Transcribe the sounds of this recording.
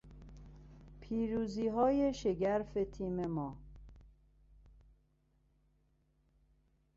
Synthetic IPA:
pʰiːɾuːziːɦɒːjeʃeɟæɾfet̪ʰiːmemɒː

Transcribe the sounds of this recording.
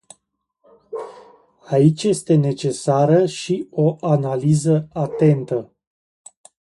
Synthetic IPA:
ait͡ʃʲje̞st̪e̞ne̞t͡ʃe̞saɾəʃio̞ʔanalizəat̪e̞nt̪ə

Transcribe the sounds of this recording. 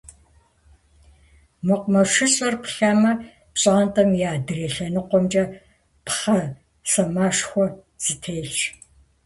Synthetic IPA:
mɨqʷmɐʂɨɕʼɐrpʰɬaːmɐ | pɕʼaːntʼɐmjaːdɨreːɬɐnɨqʷɔmt͡ʃʼɐ | pχɐ | sɐmaːʂxʷɔ | z̥itʰeːjɬt͡ʃ

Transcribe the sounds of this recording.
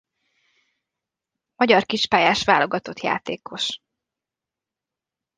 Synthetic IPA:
mɒɟɒrkiʃpaːjaːʃʋaːlo̞ɡɒt̪o̞t̪ja̰ːt̪eːkʰo̞ʃ

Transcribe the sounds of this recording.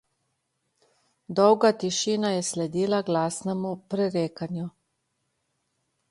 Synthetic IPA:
d̪ɔwɡat̪iʃiːnajɛslɛd̪iːlaɡlaːsnɛmupɾɛɾeːkanju

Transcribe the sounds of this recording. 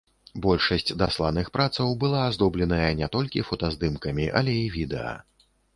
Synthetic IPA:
bɔlʲʂɐsʲt͡sʲd̪aslˠanɨxpɾat̪sɐwbɨlˠaːzd̪ɔblʲɛnɐjɐnʲɛt̪ɔlʲkʲifɔt̪ɐzd̪ɨmkɐmʲiʔɐ̰lʲɛivʲid̪ɛ̰ɐ̰

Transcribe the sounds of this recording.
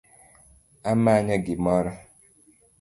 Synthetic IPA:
amaɲaɡɪmɔɾɔ

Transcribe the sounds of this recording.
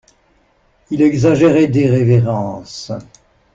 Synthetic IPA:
ilɛɡzaʒeʁɛd̪eʁeveʁɑ̃s

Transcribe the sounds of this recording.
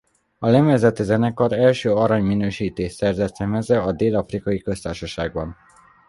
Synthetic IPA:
ɒlɛmɛzɛt̪ɛzɛnɛkɒɾɛlʃøːɒɾaɲminøːʃiːt̪eːʃsɛrzɛt̪sɛmɛzɛɒd̪eːlɒfrikɒjikø̞st̪aːrʃɒʃaːɡ̚bɒn

